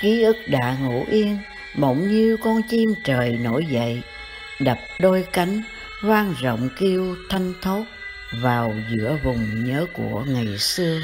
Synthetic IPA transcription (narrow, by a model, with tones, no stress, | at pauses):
ki˨˦ʔɨ˦˥k̚ɗa̰ː˧˨ŋṵ˧˩˥ʔi˧ən | ɓə̰˧˩wŋ͡mɲɨ˧kɔ˧nt͡ɕi˧mt͡ɕəː˨˩jno˧˥jzə̰˧˨j | ɗa˨˩p̚ɗo˧jka˨˦jŋ̟ | hwaː˧nzə̰˧˨wŋ͡mki˧əwt̪ʰa˧jŋ̟t̪ʰo˦˥t̚ | vaː˨˩wzɨ̰˧˥əvʊ˨˩ŋ͡mɲəː˨˦kṵ˧˩əŋa˨˩jsɨ˧ə